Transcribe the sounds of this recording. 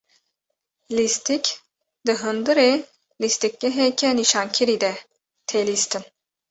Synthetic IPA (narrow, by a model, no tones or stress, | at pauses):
list̪ʰikʲ | d̪ɨɦɯnd̪ɨɾi | list̪ʰik̚ʲlɛɦɛkʰʲɛniʃankʲʰiɾid̪ɛ | t̪ʰelist̪ʰɨn